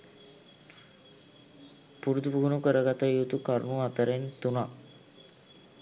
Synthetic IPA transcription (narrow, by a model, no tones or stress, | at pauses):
puɾud̪ubuɡunukəɾəɡat̪əjut̪ukaɾnuat̪əɾent̪una